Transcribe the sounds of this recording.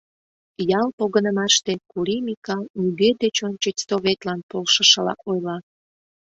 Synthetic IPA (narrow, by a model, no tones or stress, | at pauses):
jɑlpoɣənəmɑʃt̪ekuɾimʲikɑlnyɡed̪et͡ɕonʲt͡ɕət͡ɕʲst̪oβet̪lɑnpolʃəʃəlɑ̰ʔojlɑ